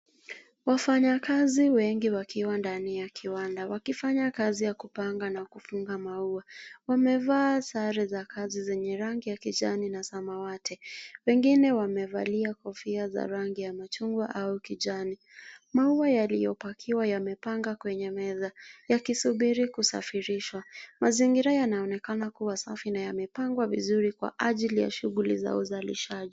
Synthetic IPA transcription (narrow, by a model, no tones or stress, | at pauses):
wafaɲakaziwɛŋɡiwakʰiwandanijakʰiwandawakifaɲakazijakupaŋɡanakufuŋɡamauawamɛvaːsaɾizakʰazizɛɲɛɾaŋɡijakiʄaninasamawatʰɛwɛŋɡinɛwamɛva̰liakɔfiaza̰ɾaŋɡijamat͡ʃuŋɡwa̰ʔaukiʄani | mauajalijɔpakʰiwajamɛpaŋɡakwɛɲɛmɛðajakisuɓiɾikusa̰fiɾiʃwamaziŋɡiɾajanaɔnɛkanakuwasafinajamɛpaŋɡwavḭzuɾikwa̰ʔaʄilija̰ʃuɣulḭza̰uzalḭʃaʄi